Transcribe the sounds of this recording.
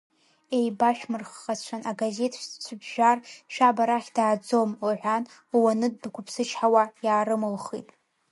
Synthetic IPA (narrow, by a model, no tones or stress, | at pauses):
e̞jbaʃᶣmɨrχːat͡ʃʷʰanaɡaze̞tʰʃt͡ʃʷʰʊbʒᶣarʃᶣabaɾaχʲd̥aːd͡zomuʕʷan | wanɨd̚ːkʷʰʊpʰsɨt͡ʃʰħawajaːɾɨmɨlχḭtʼ